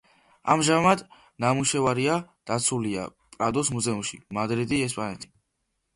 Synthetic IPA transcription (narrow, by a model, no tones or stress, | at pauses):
a̰mʒamad̪ | namuʃɛvaɾiad̪̥at̪sʰulia̰ | pʼɾad̪ɔsmuzɛumʃimad̪ɾid̪iɛs̬pʼanɛt̪ʰi̥